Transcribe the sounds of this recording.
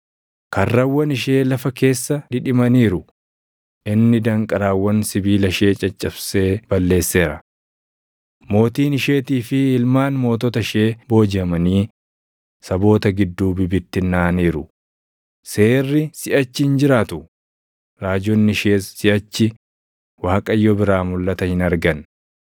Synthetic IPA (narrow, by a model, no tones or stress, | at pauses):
kɐrːɐwːɐnɪʃe̞ːlɐfɐke̞ːsːɐᶑ̪ɪᶑɪmɐniːɾʊ | ʔɪnːɪd̪ɐŋkʼɐɾaːwːɐnsɪbiːlɐʃe̞ːt͡ʃʼɐt͡ʃʼːɐbse̞ːb̥ɐlːe̞ːsːe̞ːɾɐ | mo̞ːt̪iːnɪʃe̞ːt̪iːfɪɪlmaːnmo̞ːt̪ɔt̪ɐʃeːbo̞ːd͡ʒɪɐmɐniː | sɐbo̞ːt̪ɐɡɪd̪ːuːbɪbɪt̪ːɪnːaːniːɾʊ | se̞ːrːɪsɪʔɐt͡ʃːɪnd͡ʒɪɾaːt̪ʊ | ɾaːd͡ʒɔnːɪʃe̞ːsɪʔɐt͡ʃːɪ | waːkʼɐjːɔbɪɾaːmʊlːɐt̪ɐhɪnɐɾɡɐn